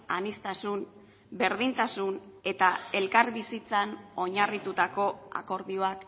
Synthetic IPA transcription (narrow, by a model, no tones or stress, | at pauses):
anist̪asun | be̞ɾð̞int̪asune̞t̪ae̞lkaɾβisit͡sano̞ɲarit̪ut̪ako̞a̰ko̞ɾðio̞ak